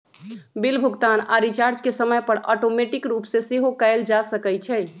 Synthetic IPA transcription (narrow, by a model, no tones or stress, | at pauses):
bilbʱuɡt̪ana̰ɾit͡ʃaɾd͡ʒkesəməjpəɽɔ̰ʈomeʈikɾupsẽseɦokəjld͡ʒasəkɛjt͡ʃʰɛ